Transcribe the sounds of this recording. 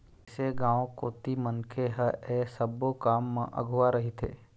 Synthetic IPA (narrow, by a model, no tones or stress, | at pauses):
seɡãːõkoːt̪imənkʰeɦəeːsəbokaːmːã̰ʔɐ̰ɡʱʊwaɾɐɦit̪ʰḛː